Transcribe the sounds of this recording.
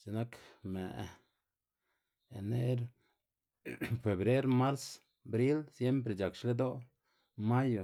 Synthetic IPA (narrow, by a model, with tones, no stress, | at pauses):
t͡ʃe˧na˦kme˨ʔ | ḛ˨ne˦ɾ | fe˨bɾe˦ɾma˦ɾs | bɾi˦lsje˦mp̬ɾe˨d͡ʒa˨kʃle˦d̪o˦ | ma˦jo˨